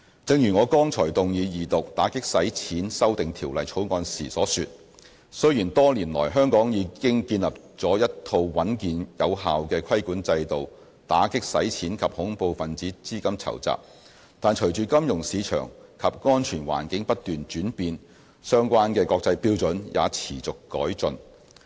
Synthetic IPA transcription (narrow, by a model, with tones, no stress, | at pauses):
t͡sɪ˧ŋjyː˨˩ŋɔː˨˧kɔː˥ŋt͡ʃʰɔː˨˩jt̪ʊ˨ŋjiː˨˧jiː˨˩t̪ʊ˨k̚t̪aː˨˥kɪ˥k̚sɐ˨˥jt͡sʰiː˨˥nsɐ˥wt̪ɪ˨ŋt̪ʰiː˨˩wlɐ˨jt͡ʃʰo˨˥wŋɔː˧nsiː˨˩sɔː˨˥syː˨t̚ | sɵ˥ɥjiː˨˩nt̪ɔː˥liː˨˩nlɔ̰ː˨˩jɦœː˥ŋkɔː˨˥ŋjiː˨˧kɪ˥ŋkiː˧nlɐ˨p̚ | t͡sɔː˨˥jɐ˥t̚t̪ʰo˧wwɐ˨˥nkiː˨njɐ˨˧wɦaː˨wkɛː˧kʰɐ˥jkuː˨˥nt͡sɐ˧jt̪o˨w | t̪aː˨˥kɪ˥k̚sɐ̰˨˥jt͡sʰiː˨˥nkʰɐ˨p̚hʊ˨˥ŋpo˨wfɐ˨nt͡siː˨˥t͡siː˥kɐ˥mt͡sʰɐ̰˨˩wt͡sa̰ː˨p̚ | t̪aː˨nt͡ʃʰɵ˨˩ɥt͡ʃyː˨kɐ˥mjʊ˨˩ŋsiː˨˧t͡ʃʰœ̰ː˨˩ŋkʰɐ˨p̚ŋɔː˥nt͡ʃʰyː˨˩nwa̰ː˨˩nkɪ˨˥ŋpɐ˥t̚t̪yː˨nt͡ʃyː˨˥npiː˧n | sœː˥ŋkʷaː˥nkɛː˧kɔː˧k̚t͡sɐ˧jpiː˥wt͡sɵ˨˥njʔa̰ː˨˧t͡sʰiː˨˩t͡sʊ˨kːɔ̰ː˨˥jt͡sɵ˨n